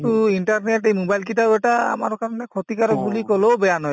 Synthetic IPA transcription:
tuinʈaɹneʈejmubajlkitaʊɛʈaa̰ma̰ɹɔkaɹɔnɛkʰɔt̪ikaɾɔk̚bulikɔlobɛjanɔj

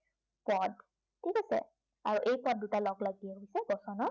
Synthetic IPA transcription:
pɔd | tʰikasɛ̰ | aɹuʔejpɔd̚dutalɔɡlaɡiɛɦijsɛbɔsɔnɔ

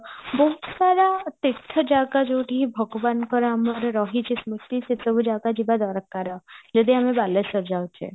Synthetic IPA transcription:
bɔɦut̪saɾat̪et̪ʰːəd͡ʒaɡad͡ʒoʈiɦibʱəɡʋankɔɾaməɾɾɔɦit͡ʃʰesmut̪ːiset̪əbud͡ʒaɡad͡ʒibad̪aɾəkːaɾəd͡ʒəd̪iamebalesəɾd͡ʒawt͡ʃʰḛ

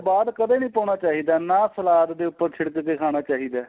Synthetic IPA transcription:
baːd̪kəd̪eːnĩːpaːɳ̃aːt͡ʃaːɦiːd̪aːnaːsəlaːt̪d̪eːʊpːəɾt͡ʃʰɪɽəkkeːkʰaːɽ̃aːt͡ʃaːɦiːd̪aː

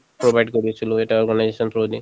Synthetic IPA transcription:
pɹobʱajɖkoɹiesiloeʈaɔɹɡanajzesɔnt̪ʰɹodi

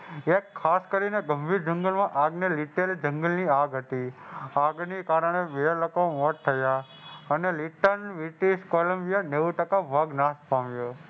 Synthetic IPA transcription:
ekʰːaskəɾineɡəmbʱiɾd͡ʒəŋɡəlmãʔaɡneliʈeld͡ʒə̃ŋɡəlniaɡɦət̪iaɡnikaɾəɳ̃eʋeləkomɔʈ̚t̪ʰːəja | əneliʈənʋiʈiʃkoləmbijaneʋuʈəkabʱəɡnaspamjo

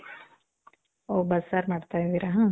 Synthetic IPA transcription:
oːbɐsːaːɾmaːɖt̪aid̪iːɾaɦãː

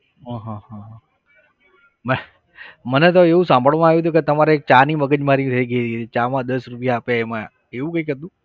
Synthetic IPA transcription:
ɦãɦãɦãɦ | mɛ | mənet̪̬oeʋũsãmbʱəɭʋãaʋjt̪̬ũket̪əmaɾek̚t͡ʃaniməɡəd͡ʒmaɾit̪ʰəiɡəit̪iit͡ʃamãd̪əsɾupjaːpjaemã | eʋũkəikəɾt̪ũ

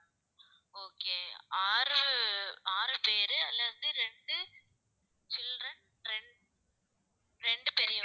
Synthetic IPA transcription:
oːkeːaːɾɯ | aːɾɯpeːɾɯɐlːɐðɯɾɛɳɖɯ | t͡ʃɪldrɐn | ɾɛɳ | ɾɛɳɖɯpeːɾɪj

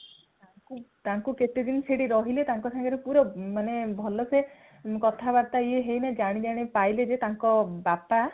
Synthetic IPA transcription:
t̪aŋkut̪aŋkuket̪ed̪inseɽiɾɔɦilet̪aŋkɔsaŋɡɔɾepuɾɔmanebʱɔlɔse | kɔt̪ʰabaɾt̪aieɦejnad͡ʒaɽ̃id͡ʒ̪aɽ̃ipajled͡ʒet̪aŋkɔbapa

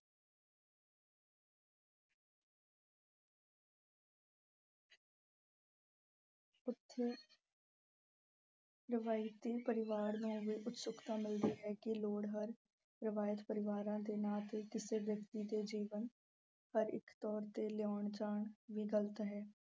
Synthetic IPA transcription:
ʊt̪ʰː | ɾɪʋaːɪt̪iːpəɾɪʋaːɾnũːʋiːʔʊt̪sʊkt̪ãːmɪld̪iːɦɛːkɪloːɽɦəɾ | ɾɪʋaːjət̪pəɾɪʋaːɾãːd̪eːnaːt̪eːkɪseːʋjəkt̪iːd̪eːd͡ʒiːʋən | həɾɪ̰kt̪ɔːɾt̪eːlɪjaːɳt͡ʃaːɳʋiːɡələt̪ɦɛː

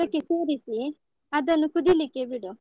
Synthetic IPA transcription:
ɐkːeseːɾisi | ɐd̪ɐnːukud̪ilikːebiɽu

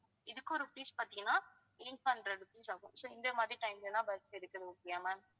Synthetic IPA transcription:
ɪðɯkːɔɾɯpiːspaːɾt̪iŋɡɐnãː | eːnpɐnɖɾɐɽɯpiːsaːɣʊ̃soːɪnd̪ɐmaːd̪ɾiʈɐɪmlenːãːbɐɾsɪɾɯkːɐðɯʊkːɪjaːmaː

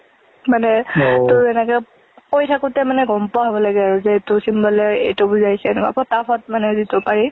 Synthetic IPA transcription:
manɛtʊɹɛnɛkɛ | kojtʰakʊtɛmanɛɡɔmpɔaɦɔbɔlaɡɛaɹuzetʊsimbɔlɛɹḛjtɔbuzajsɛnɛka̰pɔtapʰɔt̚manɛzitɔpaɹi

